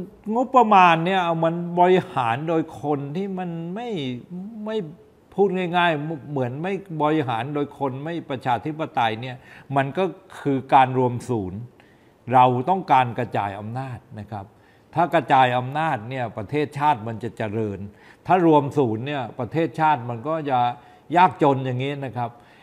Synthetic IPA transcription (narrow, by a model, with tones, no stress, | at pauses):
ŋo˦˥pːɾa˧maː˧nːi˥˩ɐma˧nbɔ˧ɾi˧haː˩˦ndoː˧jkʰo˧nt̪ʰiː˥˩ma˧˩nma˥˩jma˥˩j | pʰuː˥˩t̪̚ŋaː˥˩jŋaː˥˩jmɯ˩˦ənma˥˩jbɔ˧ɾi˧ɦaː˩˦ndoː˧jkʰo˧nma˥˩jpɾa˧t͡ɕʰaː˧t̪ʰi˦˥pːa˧t̪a˧jni˥˩ɐma˧nkɔː˥˩kʰɯː˧kaː˧nɾu˧əmsuː˩˦n | ɾa˧wt̪ɔ˥˩ŋkaː˧nka˧t͡ɕaː˧jʔa˧mnaː˥˩t̪̚na˦˥kʰa˦˥p̚ | t̪ʰːaː˥˩ka˧t͡ɕaː˧jʔa˧mnaː˥˩t̪̚ni˥˩ɐpɾa˧t̪ʰeː˥˩t̪̚t͡ɕʰaː˥˩t̪̚ma˧nt͡ɕa˨˩t͡ɕa˧˩ɾɤː˧n | t̪ʰaː˥˩ɾu˧əmsuː˩˦nːi˥˩ɐpɾa˧t̪ʰeː˥˩t̪̚t͡ɕʰaː˥˩t̪̚ma˧nkɔː˥˩t͡ɕa˨˩ | jaː˥˩k̚t͡ɕo˧nja˨˩ŋːiː˦˥na˦˥kʰa˦˥p̚